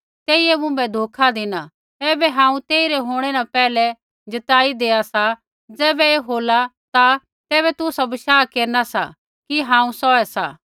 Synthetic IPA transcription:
t̪eːiɛmʊ̃mbɛd̪ʱoːkʰad̪ɪna | ɛːbɛɦãːũt̪eːiɾɛɦoːɽ̃ɛnapɛːlɛ | d͡ʒɐt̪aːid̪eːasa | d͡zɛːbɛeːɦoːla | t̪a | t̪ɛːβɛt̪ʊsabɪʃaːkeːɾnasa̰ | kiɦãːũsɔɛsa̰

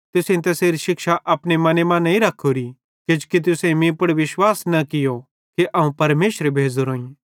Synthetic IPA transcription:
t̪ʊsẽt̪̬ɐseːɾiʃɪkʃaʔɐpɽemɐnemãnɐĩɾɐkʰːoɾi | kɪd͡ʒkit̪̬ʊsẽmĩpɐɽʋɪʃwaːsnɐkɪjo | kiʔɐũpɐɾmeːʃɾebʱeːd͡zoɾoːĩ

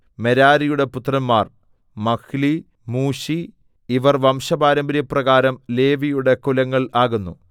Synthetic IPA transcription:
meɾaːɾijuɽe̞put̪ːrɐnmaːr | mɐkʰli | muːɕi | iʋɐrʋɐmʂɐbaːɾɐmbɾjɐprɐɣaːɾɐmle̞ːʋijuɽe̞kulɐŋːɐɭaːɣunːu

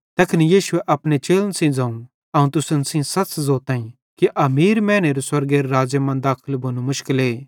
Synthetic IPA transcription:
t̪ɐkʰnijiːʃʊeʔɐpnet͡ʃeːlənsĩd͡zãːũ | ɐũt̪ʊsənsĩsɐt͡szoːt̪ãːĩ | kiʔɐmiːɾmɛ̃ːneɾuswɐɾɡeɾɾaːd͡ʒemãnd̪aːkʰəlbʱonũmʊʃkɪleː

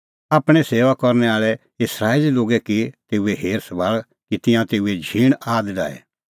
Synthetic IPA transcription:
aːpɽ̃ɛseːʋakɔɾnɛaːɭɛ | ɪsɾaːeliloːɡɛkit̪eːueɦeːɾsɐbaːɭ | kit̪ɪ̃jãt̪eːued͡ʒʱiːɽ̃aːd̪ɖa̰ːɛ̰

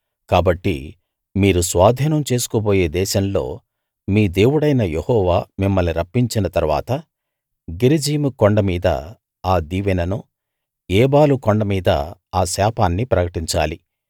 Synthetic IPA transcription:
kaːbɐʈːḭ | miːɾusʋaːd̪ʱiːnɐmt͡ʃe̞ːsu̥koboːje̞ːd̪ɛːʃɐmlo̞̰ː | miːd̪e̞ːwuɽɐjnɐjehɔːʋaːmimːɐlniɾɐpːiɲt͡ʃinɐt̪ɐɾuʋa̰ːt̪ɐ | ɡeɾid͡ʒiːmukoɳɖɐmiːd̪ɐ̰ | aːd̪iːʋɛnɐnu | ɛːbaːlukoɳɖɐmiːd̪ɐ̰aːsaːpaːnːipɾɐkɐʈiɲt͡ʃa̰ːli

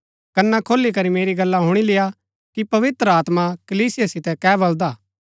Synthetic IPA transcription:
kɐnːakʰoːlːik̬ɐɾimeːɾiɡɐlːaɦʊɽ̃ilɪja | kipɐʋɪt̪ɾəaːt̪makɐliːsɪjasɪt̪ɛkɛːbɐld̪aː

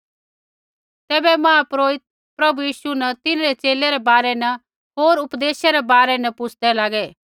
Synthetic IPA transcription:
t̪ɛːbɛmɐ̃apɾoːɪt̪̚ | pɾɐbujiːʃunɐt̪ɪnɾet͡ʃeːlɛɾɛbaːɾɛnɐ | ɦoːɾʊpd̪eːʃeɾɛbaːɾɛnɐpʊt͡sʰd̪ɛlaːɡɛ

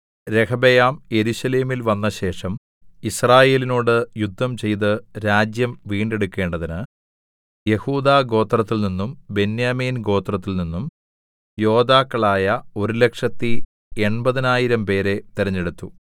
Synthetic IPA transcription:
ɾe̞kʰɐbejaːmje̞ɾuɕɐle̞ːmilʋɐnːɐɕe̞ːʂɐm | israːje̞ːlinoːɽɨjud̪ʱːɐmt͡ɕe̞jt̪ɨɾaːd͡ʑjɐmʋiːɳɖe̞ɽukːe̞ːɳɖɐðinɨ | je̞huːd̪aːɡo̞ːt̪rɐt̪ːilninːumbe̞njaːmiːnɡo̞ːt̪rɐt̪ːilninːum | jo̞ːd̪aːkːɐɭaːjɐo̞ɾule̞kʂɐt̪ːi | e̞ɳbɐðinaːjiɾɐmpe̞ːɾe̞t̪iɾɐɲːeɽut̪ːu

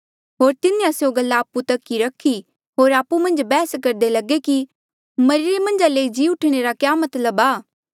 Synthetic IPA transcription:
ɦoːɾt̪ɪnẽasjoɡɐlːaːput̪ɐkːiɾɐkʰi | ɦoːɾaːpːumɐ̃nd͡ʒbɛːskɐɾd̪elɐɡeki | mɐɾɪɾemɐ̃nd͡ʒaleːid͡ʒiːʊʈʰɽ̃eɾakjaːmɐt̪ləbaː

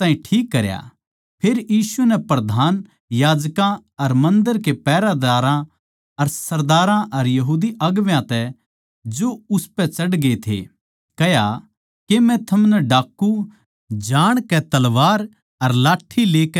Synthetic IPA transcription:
t̪ãːĩʈʰiːkːɐɾja̰ | pʰeːɾjiːsunɛpɾɐd̪ʱaːn | jaːd͡ʒkãɐɾmɐ̃nd̪əɾkepɛːɾad̪aːɾã | ɐɾsɐɾd̪aːɾãʔɐɾjɐɦuːd̪iɐɡʋjãt̪ɛ | d͡ʒoʊspɛt͡ʃɐɽɡet̪ʰḛ | kɐja | kemɛ̃t̪ʰɐmnɛɖaːkːu | d͡ʒaːɽ̃kɛt̪ɐlʋaːɾ | ɐɾlaːʈʰːileːkɛ

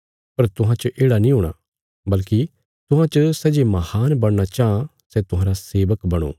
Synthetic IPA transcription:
pɐɾt̪ʊɦãt͡ʃɐʔeːɽanĩːɦoːɽ̃a̰ː | bɐlki | t̪ʊɦãt͡ʃɐsɛd͡ʒemɐhaːnbɐɽnat͡ʃaã | sɛt̪ʊɦãːɾaseːʋəkbɐɽ̃o̰ː

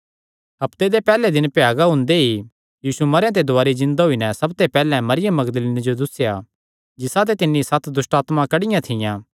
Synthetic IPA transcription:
ɦɐpt̪ed̪epɛːled̪ɪnpjaːɡaɦʊ̃nd̪eɦi | jiːsumɐɾjãt̪̬ed̪ʊaːɾizɪ̃nd̪aɦʊinɛsɐbt̪epɛːlɛ̃mɐɾɪjəmːɐɡd̪əliːnid͡ʒod̪ʊsːja | d͡ʒɪsãt̪̬et̪ɪnːisɐt̪ʰd̪ʊsʈaːt̪mãkɐɽɪjãt̪ʰɪjãː

